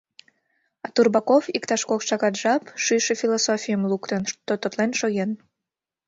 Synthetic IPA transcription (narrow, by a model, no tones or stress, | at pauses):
ɑt̪urbɑkofikt̪ɑʃkokʃɑɣɑt̪ʒɑpʃyʃefʲilosofʲijəmlukt̪ənʃt̪ot̪ot̪lenʃoɣen